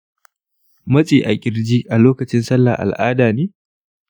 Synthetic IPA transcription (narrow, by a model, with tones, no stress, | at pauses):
mɐ˦sʼiː˨ʔa˨ɡʲʼɪ˨ɾd͡ʒiː˦ʔa˨loː˦kɐ˨t͡ʃɪ˦nsɐ˦lːa̰ː˨ʔa̰˨lʔaː˦daː˨neː˦